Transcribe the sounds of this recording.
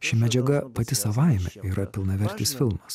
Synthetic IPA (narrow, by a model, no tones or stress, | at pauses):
ʃʲɪmʲɛd͡ʒʲɛɡɐpɐt̪ʲɪsɐʋɐˑɪmʲɛ̰iːɾɐpʲɪlˠnɐʋʲɛɾʲt̪ʲɪːsfʲɪlˠmɐs